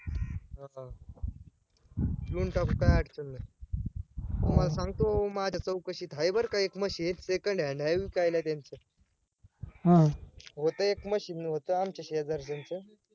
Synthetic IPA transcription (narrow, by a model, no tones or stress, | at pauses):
ɦã | bluːɳʈʰakkajaʈʰt͡ɕənːa | t̪umalasãŋɡt̪omad͡ʑʱat͡səwkəɕiːt̪ɦajbəɾkaekməɕiet̪sekəɳɖjeɳɖajʋiːkajlat̪jant͡sə | ɦãɦot̪əekməɕiːnɦot̪əamt͡ɕaɕed͡zaɾd͡zant͡sə